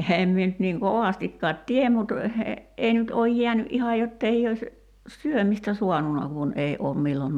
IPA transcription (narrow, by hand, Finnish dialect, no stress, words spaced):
eheːm mie nyt niːŋ koʋɑstikːɑːt tiem mut ei nyt oːj jiænyʔ ʔihɑ jotːei ois syømistæ suɑnunɑ kun ei oːm milːon